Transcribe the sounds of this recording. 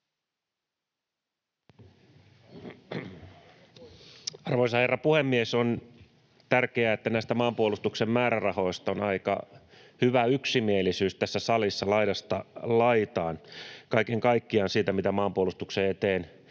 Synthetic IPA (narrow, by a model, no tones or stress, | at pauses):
ɑrʋoisɑherːɑpuhemːieson | t̪ærkeæet̪ːænæist̪æmɑːmpuolust̪uksemmæːɾærɑho̞ist̪ɑonɑikɑ̰ | hyʋæyksimielːisyːst̪æsːæsɑlisːɑlɑiɾɑst̪ɑlɑit̪ɑːnkɑikeŋkɑikːiɑnsiːt̪æmit̪æmɑːmpuolust̪ukseːet̪eːn